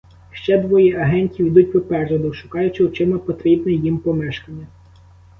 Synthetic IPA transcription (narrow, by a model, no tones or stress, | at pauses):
ʃt͡ʃɛd̪ʋɔjiʔɐɦɛnʲtʲiwid̪utʲʋɪpɛrʒɐd̪ɪwʃʊkɑjʊt͡ʃɪwt͡ʃɪmɛpɔt̪ɾʲibnɛjimpɔmɛʃkɐnʲːɐ